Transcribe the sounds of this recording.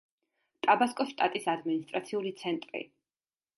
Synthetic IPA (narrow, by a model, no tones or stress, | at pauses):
t̪ʼabaskʼɔʃt̪ʼat̪ʼisad̪minist̪ʼɾat̪sʰiulit̪sʰɛnt̪ʼɾḭ